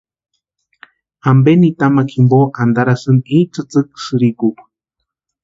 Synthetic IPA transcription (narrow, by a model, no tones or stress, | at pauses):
ambenit̪amakʰimboʔand̪aɾasɨnit͡sɨt͡sɨk̚sɨɾikup